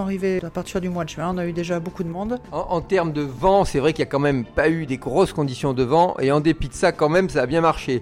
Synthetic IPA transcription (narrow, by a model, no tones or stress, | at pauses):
aʁiveapaʁt̪iʁd̪ymwad̪əʒɛ̃ɔ̃nayd̪eʒabokud̪əmɔ̃d̪ɑ̃ʔɑ̃t̪ɛʁmd̪əvɑ̃sɛvʁɛkiljakɑ̃mɛmpayd̪eɡʁɔskɔ̃d̪isjɔ̃d̪əvɑ̃ʔeɑ̃d̪epid̪əsakɑ̃mɛmsaːbjɛ̃maʁʃe